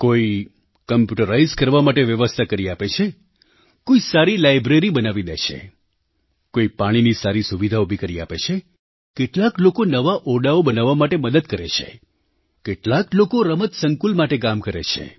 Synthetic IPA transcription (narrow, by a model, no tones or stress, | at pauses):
koi | kəmpjuʈəɾaizkəɾʋamaʈeʋjəʋəst̪ʰakəɾiapet͡ʃʰe | koisaɾilajbɾeɾibənaʋid̪ḛt͡ʃʰḛ | koipaɽ̃inisaɾisuʋid̪ʱaubʱikəɾia̰pḛt͡ʃʰe | keʈlaklokonəʋaʔɔɖaobənaʋamaʈeməd̪əd̪kəɾḛt͡ʃʰḛ | keʈlaklokoɾəmət̪səŋkulmaʈek̬amkəɾḛt͡ʃʰḛ